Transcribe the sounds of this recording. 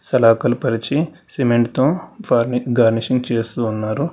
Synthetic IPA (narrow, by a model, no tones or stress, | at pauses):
sɐlaːkɐlupɐɾit͡ʃi | simeɳʈt̪oːpaːɾniɡaːɾniʂiŋɡt͡ʃeːst̪uːnːaːɾu